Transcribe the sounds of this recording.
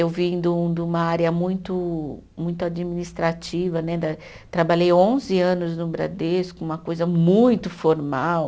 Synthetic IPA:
ewvĩd̪ũd̪ũmɐaɾjɐmũj̃t̪ʊ | mũj̃t̪ʊad͡ʒiminist̪ɾat͡ʃivɐnɛd̪ɐ | t̪ɾabaʎejõzɪɐ̃nʊznʊbɾa̰d̪eskʊ̃ũmɐkojzɐmũj̃t̪ʊfoɾmaw

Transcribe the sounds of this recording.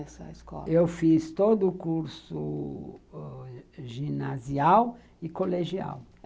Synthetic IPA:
ɛsɐ̰iskɔ̰lewfist̪od̪ʊkuɾsʊ | ʒĩnaziaw | ɪkoleʒia̰w

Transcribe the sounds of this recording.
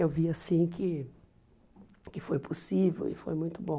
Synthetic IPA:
ewviasĩkɪ | kɪfojpʰʊsivḛwɪ̰fojmũj̃t̪ʊbõ

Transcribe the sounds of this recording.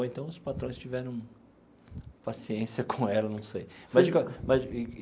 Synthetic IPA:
ẽnt̪ɐ̃w̃ʊspat̪ɾõj̃st͡ʃivɛɾɐ̃w̃ | pasiẽsijɐkõɛlɐnɐ̃w̃sejmɐzd͡ʒɪkamɐzd͡ʒ

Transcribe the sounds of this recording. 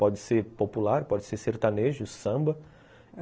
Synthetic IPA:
pɔd͡ʒɪseɾpopulaɾpɔd͡ʒɪseɾseɾt̪ɐneʒʊsɐ̃mbɐ

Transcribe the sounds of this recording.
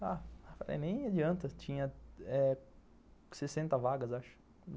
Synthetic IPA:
aafalḛjnẽj̃ad͡ʒiɐ̃nt̪ɐt͡ʃĩɲɐɛ | sesẽnt̪ɐvaɡɐzaʃʊ̥

